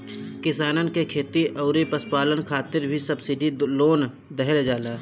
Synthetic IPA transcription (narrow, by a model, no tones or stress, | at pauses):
kɪsaːnənkekʰeːt̪iʔɐʊɾepɐspaːlənkʰaːt̪ɪɾbʱisɐbsɪɖiloːn | d̪əɦɛled͡ʒaːlaː